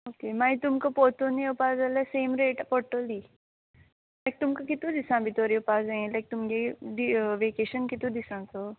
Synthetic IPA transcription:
oːkemaːĩt̪ʊmkopoːt̪onejopaːzaleseːmɾeːʈpɔːɾʈoli | lajk̚t̪ʊmkakit̪ũd̪ɪsãbʱit̪oːɾiopaːzaẽlaɪk̚t̪ʊmkeɖiʋeːkeːʃənkit̪ũd̪ɪsãso

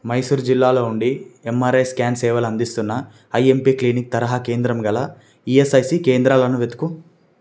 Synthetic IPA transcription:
mɐjsuːɾud͡ʒilːaːlo̞ːuɳɖiemːaːɾɐjskaːnsɛːʋɐlɐnd̪ist̪unːɐ | ɐje̞mpiːkliːnik̚t̪ɐɾɐɦake̞ːnd̪ɾɐmɡɐlɐ | iesɐjsikeːnd̪ɾaːlɐnuʋet̪u̥ku

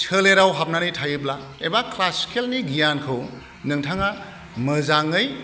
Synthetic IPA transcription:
t͡ʃʰɯleɾawɦap̚nanɯjtʰajɯb̬laebaklaskʰelniɡijankʰɯw | nɯŋtʰaŋa | mɯzaŋɯj

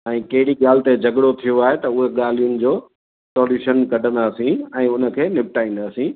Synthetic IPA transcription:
ɛ̃ːkɐɦɪɽiɠaːlɪt̪ed͡ʑʱɐɡɽot̪ʰijoaːɦet̪ɐʊɦeɠaːl̤ijʊnɪ̆d͡ʑoː | sɔːliʃənkɐʈə̃nd̪aːsĩɛ̃ːʊnə̆kʰeːnɪpɪʈaːĩːn̆d̪aːsĩ

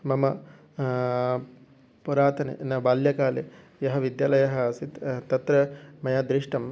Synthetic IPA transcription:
mɐmɐ | puɾaːt̪ʰɐnḛnɐbaːljɐkaːle | jɐɦɐʋid̪jaːlɐjɐɦɐsit̪t̪ɐt̪ɾɐmɐjaːd̪ɾiʂʈɐm

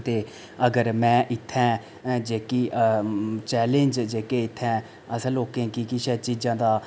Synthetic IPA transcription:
t̪eː | əɡəɾmɛ̃ːʔɪt̪ʰːɛ̃ː | d͡ʒeːkiː | t͡ʃɛːlẽːnd͡ʒd͡ʒeːkeːɪt̪ʰːɛ̃ː | əsəloːkẽːkikiʃɛːt͡ʃiːd͡ʒãːd̪aː

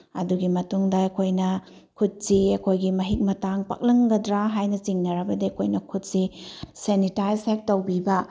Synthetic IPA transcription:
ɐ̰duɡimɐtuŋdɐɐkʰojnɐ | kʰut̚siɐkʰojɡimɐɦik̚mɐtaŋpa̰k̚lɐŋɡɐdɾaɦajnɐt͡ʃiŋnɐɾɐbɐdiɐkʰojnɐkʰut̚sisenitajsek̚tɐwbibɐ

